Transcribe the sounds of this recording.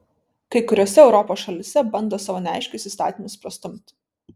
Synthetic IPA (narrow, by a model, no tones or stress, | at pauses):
kɐɪkʊɾʲoɔːsʲɛɛʊɾɔpoːsʃɐlʲɪsʲɛbɐnd̪oːsɑːʋoːnʲɛæˑɪʃʲkʲʊsʲiːst̪ɑ̰ːt̪ʲimʊspɾɐst̪ʊmt̪